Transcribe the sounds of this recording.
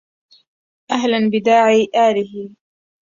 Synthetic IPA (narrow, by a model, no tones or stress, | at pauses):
ʔaɦlanbɪd̪aːʕiːʔaːlɪhɪ